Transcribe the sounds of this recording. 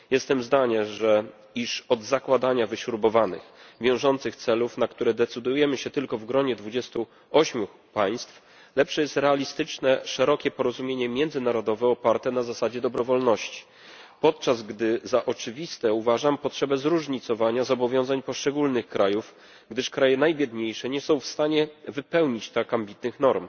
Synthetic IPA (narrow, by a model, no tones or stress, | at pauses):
jɛst̪ɛmzd̪aɲɛʐɛ | iʂɔd̪zakwad̪aɲavɘɕuɾbɔvanɘ̰xvʲjɔ̃w̃ʐɔnt̪sɘxt̪sɛlufnakt̪uɾɛd̪ɛt̪sɘd̪ujɛmɘɕɛt̪ɘlkɔvɡɾɔɲɛd̪vud͡ʑɛst̪u | ɔɕmʲju | paj̃st̪f | lɛpʂɛjɛst̪ɾɛalʲist̪ɘt͡ʂnɛʂɛɾɔkʲɛpɔɾɔzumʲjeɲɛmʲjɛnd̪zɘnaɾɔd̪ɔvɛɔpaɾt̪ɛnazasad͡ʑɛd̪ɔbɾɔvɔlnɔɕt͡ɕi̥ | pɔt̪̚t͡ʂazɡd̪ɘzaʔɔt͡ʂɘvʲist̪ɛuvaʐampɔtʂɛbɛzɾuʐɲit̪sɔvaɲazɔbɔvʲjɔ̃w̃zaɲpɔʂt͡ʂɛɡulnɘxkɾʔajuf | ɡd̪ɘʂkɾajɛnajbʲjɛd̪ɲejʂɛɲɛsɔ̃w̃fst̪aɲɛvɘpɛwɲit͡ɕt̪ɾakambʲit̪nɘxn̪ɔɾm